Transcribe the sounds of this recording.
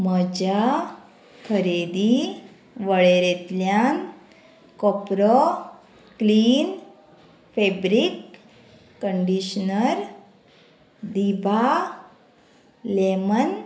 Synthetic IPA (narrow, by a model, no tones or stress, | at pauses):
məd͡ʑa | kʰəɾed̪i | ʋəɭeɾet̪ljan | kɔpɾɔ | kliːn | febɾikː | əɳɖiɕnəɾ | d̪ibʱa | lemən